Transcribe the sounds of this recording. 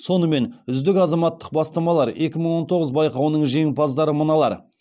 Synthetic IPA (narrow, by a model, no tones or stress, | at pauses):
so̞nəme̞nʏzd̪ɪkɑzɑmɑt̪ːə̥q̚bɑst̪ɑmɑlˠɑɾe̞kʲɪməɴwo̞nt̪ʰo̞ʁəzbɑjqɑwənəɴʒe̞ŋpʰɑzd̪ɑɾəmənɑlˠɑ̰ɾ